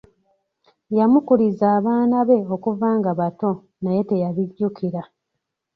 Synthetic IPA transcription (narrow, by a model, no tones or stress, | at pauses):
jamukuɾizaːβaːnaβe̞o̞kuvaːŋɡaβato̞ | naje̞te̞jaβiɟukʰiɾa